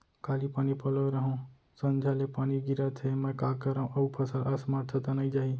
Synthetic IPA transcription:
kʰalipanipələʋɾəɦõ | sənd͡ʒʱalepaniɡiɾat̪ʰemə̃kakəɾə̃ʔəupʰəsaɾəsmaʈ̚t̪ʰət̪anəĩd͡ʒaɦi

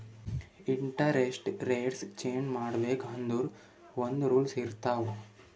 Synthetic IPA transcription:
iɳʈɐɾesʈɾeːʈst͡ʃeːɲd͡ʒmaːɽɐbeːkɐnd̪uɾ | ond̪uɾuːlsiɾt̪aːʋu

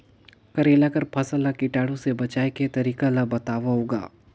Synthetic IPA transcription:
kɐɾeːlakɐɾpʰɐsəlakɪʈaːɽõsebɐt͡ʃaːeket̪ɐɾiːkalabɐt̪aːʋaɦoːɡa̰ː

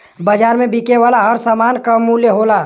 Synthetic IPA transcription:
bəd͡ʒaːɾmẽbʱikeʋaːlaɦəɾsəmaːnkamuljəɦola

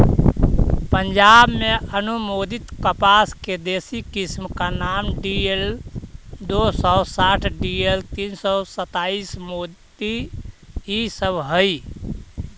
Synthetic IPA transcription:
pənd͡ʒabmeənumod̪it̪kəpasked̪esikismkanamɖiel | d̪osɔsaʈʰɖielt̪insɔsət̪aismot̪i | isəbʱɦəj

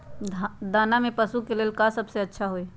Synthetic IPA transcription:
d̪aːnamẽpəsukeleːlkasəbseɐtːʃʰaɦoeː

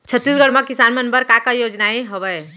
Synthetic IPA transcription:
t͡ʃʰət̪ːiːsɡəɽmãkɪsaːnmẽənbəɾkakajoːd͡ʒnaeɦɐʋə

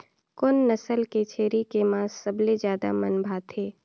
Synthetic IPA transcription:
kʊnːɐsəlket͡ʃʰeːɾikemãːsːəbled͡ʒjaːd̪a̰mɐnbʱaːt̪ʰeː

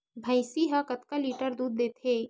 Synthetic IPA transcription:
bʱɐ̃ɪsiɦakɐt̪kaliːʈəɾd̪uːd̪̚ːeːt̪ʰeː

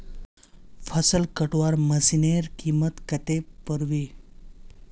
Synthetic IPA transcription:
fʰəsəlkəʈʋaɾməsineɾkimət̪kət̪epəɾʋi

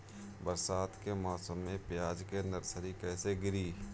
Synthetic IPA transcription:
bəɾsaːt̪kemɔːsəmːẽpjaːd͡ʒkenəɾsəɾikɛːseɡɪɾiː

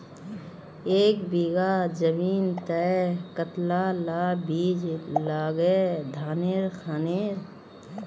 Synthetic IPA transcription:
eːkbiːɡad͡ʒəmiːnt̪əkət̪lalaːbiːd͡ʒlaːɡeːd̪ʱaːneːɾkʰaːneːɾ

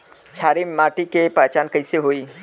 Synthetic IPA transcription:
t͡ʃʰaːɾimaːʈikepaːt͡ʃaːnkɐɪseɦoːiː

